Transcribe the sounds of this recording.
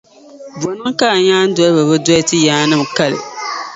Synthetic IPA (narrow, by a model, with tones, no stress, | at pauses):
bu˨ɔ˨nɨ˦ŋ˦ka˦˨ɲaː˦n̩˦dɔ˦lbɨ˨bɨ˦dɔ˦tɨ˦jaː˨˦nɨ˦mka˦lɨ̰˨